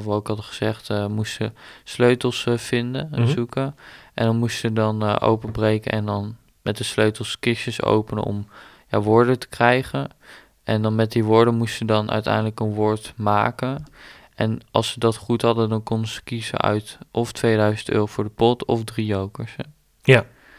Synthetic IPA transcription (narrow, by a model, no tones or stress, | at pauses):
tʋɔɪkɦɑdəχəz̥ɛχtmusəsløɥtlˠsfɪndənzukəʔɛ̰ndɑnmustsədɑnʔo̰wpəbrejkə̰nʔɛ̰ndɑn | mɛt̚dəsløɥtl̩ˠskɪʃəso̰wpənə̰ɔ̰m | ja̰ːʋʊːɹdətə̥krɛjχən | ʔɛndɑnmɛt̚diʋʊːɹdəmustsədɑnʔœ̰ɥtɛ̰jndələkənʋʊːɹtmaːkən | ʔɛnɑ̰lˠssədɑtχutɦɑdəndɑnkɔndəz̥ə̥kizə̰œ̰ɥtʔɔftʋejdœɥzəntø̰ːrovʊːɹdəpɔtɔfdrijowkəɹs